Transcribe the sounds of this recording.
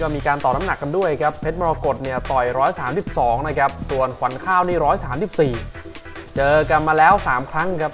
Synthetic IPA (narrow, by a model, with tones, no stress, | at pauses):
kɔː˥˩miː˧kaː˧nt̪ɔː˨˩p̚na˦˥na˨˩kːa˧ndu˥˩əjkʰa˦˥pʰːe˦˥t̪̚mɔː˧ɾaː˧ko˨˩t̪̚ni˥˩ət̪ɔ˨˩jɾɔː˦˥jsaː˩˦msi˨˩p̚sɔː˩˦ŋna˥˧˩kʰa˦˥p̚su˨˩ənkʰwa˩˦nkʰaː˥˩wniː˥˩ɾɔː˦˥jsaː˩˦msi˨˩p̚siː˨˩ | t͡ɕɤː˧ka˧nmaː˧lɛː˦˥wsaː˩˦mkʰɾa˦˥ŋkʰa˦˥p̚